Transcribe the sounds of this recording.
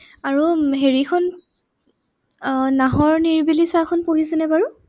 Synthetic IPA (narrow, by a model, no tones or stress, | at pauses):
aɹuɦeɹikʰɔn | naɦɔɹniɹbilisakʰɔnpoɦisɛnɛbaɹu